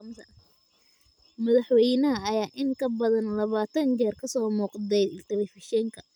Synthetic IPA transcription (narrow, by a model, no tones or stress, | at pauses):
mtʰɐ | mɐðɐħwɛjnɐɦɐːjaːʔɪŋkʰɐbɐðɐnlɐβaːt̪ʰɐnt͡ʃɛːrkʰɐsɔːmuːqd̪ɛjɪlt̪ʰɐβɛfɪʃɛːŋkʰɐ